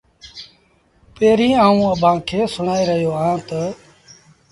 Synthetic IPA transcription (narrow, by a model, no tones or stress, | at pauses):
peːɾĩːaːũːəbʱãːkʰeːsʊɳaːiːɾəɦjoːɦãːt̪ə